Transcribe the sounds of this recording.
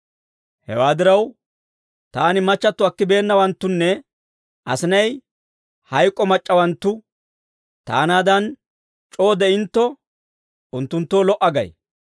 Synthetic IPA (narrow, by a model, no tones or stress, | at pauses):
hɛ̰waːd̪ɪɾɐw | t̪aːnɪmɐt͡ʃːɐt̪ːʊɐkːɪbe̞ːnːɐwɐnt̪ːʊnːɛ | ʔɐ̰sɪnɐj | hɐjkʼːɔmɐt͡ʃʼːɐwɐnt̪ːʊ | t̪a̰ːnaːd̪ɐn | t͡ʃʼo̞ːd̪ɛɪnt̪ːɔ | ʊnt̪ːʊnt̪ːo̞ːlɔʔɐɡɐ̰j